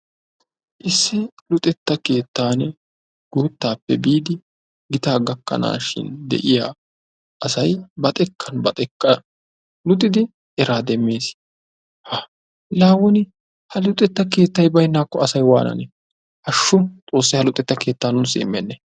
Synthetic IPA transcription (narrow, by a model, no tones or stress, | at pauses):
ʔɪsːɪlʊt̪ʼɛt̪ːɐke̞ːt̪ːaːnɛ | ɡ̥uːt̪ːaːpːɛbiːd̪ɪ | ɡɪt̪aːɡɐkːɐ̰na̰ːʃɪ̰nd̪ɛ̰ʔɪja̰ː | ʔɐsɐjbɐt̪ʼɛkʰːɐnbɐt̪ʼɛkːɐ | lʊt̪ʼːɪd̪ɪ | ɛɾaːd̪ɛmːe̞ːs | hɐ | laːwɔnɪ | hɐlʊt̪ʼːɛt̪ːɐke̞ːt̪ːɐjbɐjnːaːkːɔɐsɐjwa̰ːnɐ̰nɛ | hɐʃːʊt̪ʼo̞ːs̬ːɐjhɐlʊt̪ʼːɛt̪ːɐke̞ːt̪ːaːnʊnsḭːmːɛnːɛ